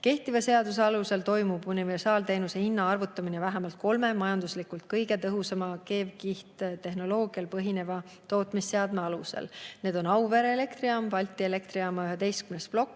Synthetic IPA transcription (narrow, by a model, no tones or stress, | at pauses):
ke̞ht̪ivɑse̞ɑd̪us̬e̞ɑluse̞lt̪o̞jmubunive̞rsɑːlt̪e̞ːnuse̞hinːɑɑrvut̪ˑːɑminevæɦemɑlt̪̚ko̞lme̞mɑjɑnd̪̥uslikːˑult̪̚kɤjɡ̥e̞t̪ɤɦusɑmɑke̞ːvkiht̪t̪e̞ɦno̞lo̞ːɡ̥iɑlpɤɦine̞vɑ | t̪o̞ːt̪ˑmisːe̞ɑd̪me̞ɑluse̞̰lne̞ːd̪̥o̞nɑwveɾele̞kt̪riɑmpɑlʲt̪ʲːˑie̞le̞kt̪ɾiɑmɑyɦe̞d̪e̞jst̪kymnesplo̞kːˑ